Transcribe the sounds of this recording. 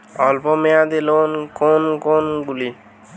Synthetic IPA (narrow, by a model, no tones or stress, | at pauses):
ɔlpɔmeãd̪elonkonkɔnɡuli